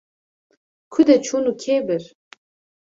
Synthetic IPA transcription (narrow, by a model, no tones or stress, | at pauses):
kʰʊd̪ɛt͡ʃʰuːnukʰeːbɨɾ